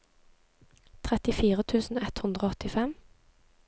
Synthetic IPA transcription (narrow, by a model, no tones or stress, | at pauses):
t̪ʰʁɛt̪ɪfiːʁət̪ʰʉːsn̩oːɛt̪hʉnd̪ʁoːɔt̪ɪfɛm